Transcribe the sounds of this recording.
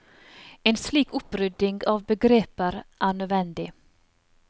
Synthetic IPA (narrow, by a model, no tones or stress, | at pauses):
ɛnsliːkɵpːɾʏd̪ːɪŋɡɑvbɛɡɾeːpəɾʔæɳøːvɛnd̪ɪ